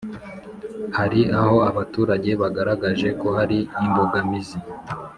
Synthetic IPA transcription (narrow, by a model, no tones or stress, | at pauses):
haɾiaho̞aβatuːɾaɟe̞βaɡaɾaɡaʒe̞ko̞haɾiːmboɡamizi